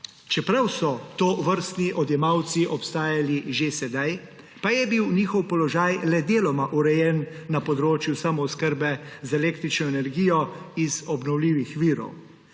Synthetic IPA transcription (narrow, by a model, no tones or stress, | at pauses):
t͡ʃɛpɾawsɔt̪oːʋəɾst̪niʔɔd̪jɛmawt̪siʔɔpst̪aːjaliʒesɛd̪aj | pajɛbiwniːxɔwpɔlɔʒaːjlɛd̪eːlɔmaʔuɾɛjɛnː | apɔd̪ɾoːt͡ʃjusamɔskəɾbɛzaɛleːkt̪ɾit͡ʃnɔenɛɾɡiːjɔizɔbnɔwliːʋixʋiːɾɔ̰w